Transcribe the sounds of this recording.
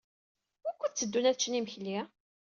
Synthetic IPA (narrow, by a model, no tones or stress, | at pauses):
ʊɾkʷːət͡sːəd̪ːunæθt͡ʃːniməçli